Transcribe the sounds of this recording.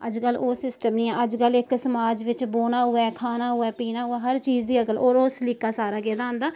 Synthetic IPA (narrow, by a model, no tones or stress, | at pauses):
ə̰d͡ʒkəloːsɪsʈəmnĩːɛ̃ːʔəd͡ʒkəlɪksəmaːd͡ʒʋɪt͡ʃboːnaːɦʊɛːkʰaːnaːɦʊɛːpiːnaːɦʊɛːɦəɾt͡ʃiːd͡ʒd̪iːəkəloːɾoːslɪkːaːsaːɾaːɡɛːd̪aːɦõnd̪aː